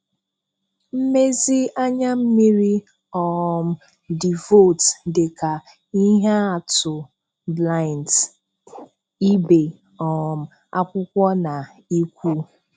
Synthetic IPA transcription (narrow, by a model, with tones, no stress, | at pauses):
m̩˦me˦zi˦a˦ɲa˦m̩˦mi˦ɾi˦ | ɔ˨m̩˨ | di˨vo˦˨tde˨ka˨ | i˦ɦa˦a˨tʊ˨ | bla˦ɪ˨nt | i˦be˨ | ɔ˨m̩˨ | a˦kʷʊ˦kʷɔ˦na˨ | i˦kʷu˦